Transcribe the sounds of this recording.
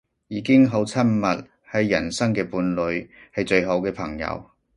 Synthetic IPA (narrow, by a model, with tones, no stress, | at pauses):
jiː˨˧kɪ˥ŋɦo˨˥wt͡sʰɐ˥mmɐ˨t̚ | hɐ˨˥jːɐ˨˩nsɐ˥ŋkɛː˧puː˨˧nlɵ˨˧ɥhɐ˨jt͡sɵ˧ɥɦo˨˧˥wkɛː˧pʰɐ˨˩ŋjɐ̰˨˧w